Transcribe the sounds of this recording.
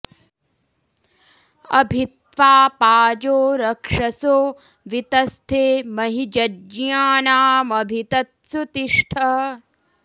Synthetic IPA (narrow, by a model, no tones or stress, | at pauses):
ɐ̰bʱit̪̚ʋaːpaːd͡ʒoːɾɐkʂɐsoː | ʋit̪ɐst̪ʰeːmɐɦid͡ʒɐd͡ʒjaːnaːmɐbʱit̪ɐt̪̚sut̪iʂʈʰɐ